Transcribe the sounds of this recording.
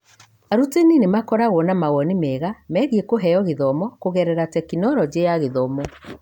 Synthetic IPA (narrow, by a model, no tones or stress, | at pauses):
aɾuteninemakɔɾaɣɔnamaɣɔnimɛɣamɛɣiekoɦɛɔɣeðɔmɔkoɣɛɾɛɾatɛkinɔɾɔd͡ʑeaɣeðɔmɔ